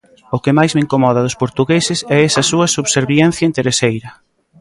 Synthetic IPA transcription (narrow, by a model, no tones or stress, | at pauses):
ʊkɪmajzmɪeŋkomɔðɐðʊspoɾt̪uɣesɪsɛɛsɐsuɐsuβseɾβjɛn̟θjɐent̪eɾesejɾɐ